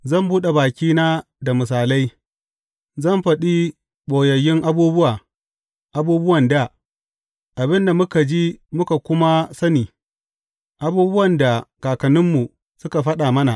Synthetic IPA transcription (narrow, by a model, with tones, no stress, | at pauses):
zɐ˦˨mbuː˦ɗe˨baː˨kʲiː˦naː˦ | da˨mɪ˨s̬aː˨la˦j | zɐ˦˨mɸɐ˨ɗi˦ | ɓoː˨jɐ˨jːɪ˦ŋʔa˦buː˦bʊ˦waː˨ | ʔa˦buː˦bʊ˦wɐ˨nda˦˨ | ʔa˨bɪ˦nda˨mʊ˦ka˨d͡ʒi˦mʊ˦ka˨kʷʊ˦ma˦sɐ˦niː˨ | ʔa˨buː˦bʊ˦wɐ˨nda˨kaː˨kɐ˨nɪ˦mːu˨ | sʊ˦ka˨ɸɐ˦ɗa˨mɐ˦na˨ʔ